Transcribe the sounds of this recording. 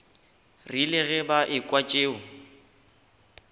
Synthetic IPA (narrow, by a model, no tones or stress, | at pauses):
rilɪɣɛbaʔɪkʼwat͡ʃʼeːʊ